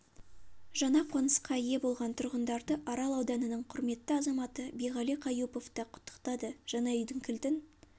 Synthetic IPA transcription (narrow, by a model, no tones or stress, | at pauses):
ʒɑnɑqʰo̞nəsqɑije̞bo̞lˠʁɑnt̪ʰʊɾʁənd̪ɑɾd̪əʔɑɾɑlˠɑwd̪ɑnənəɴqʰʊɾme̞t̪ːəɑzɑmɑt̪əbejʁɑliqʰɑjupo̞ft̪ɑqʰʊ̥t̪ːə̥qt̪ɑd̪əʒ̥ɑnɑjʏjd̪ɪŋkʲʰɪlt̪ɪn